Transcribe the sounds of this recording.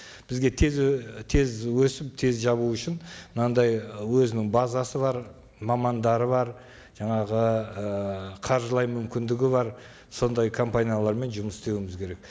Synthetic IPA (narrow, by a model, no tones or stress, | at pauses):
b̥ɪzɡʲe̞t̪ʰe̞zt̪ʰe̞zwɵsɪp̚t̪ʰe̞zʒɑβuʏʃɪnmnɑnd̪ɑjwɵzɪnɪŋbazɑsəβɑɾ | mɑmɑnd̪ɑɾəβɑɾ | ʒ̥ɑɴɑʁəəqʰɑɾʒəlˠɑjmʏmkʲɪnd̪ɪɡʲɪβɑɾ | so̞nd̪ɑjkʰo̞mpanijalˠɑɾme̞nʒʊməsɪst̪e̞wɪmɪzkʲʰe̞ɾe̞k̚